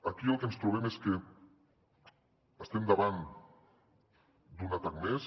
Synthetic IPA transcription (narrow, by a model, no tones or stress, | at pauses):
akiəlˠkenst̪ɾuβ̞ɛmeske | əst̪emd̪aβan | d̪unat̪akmes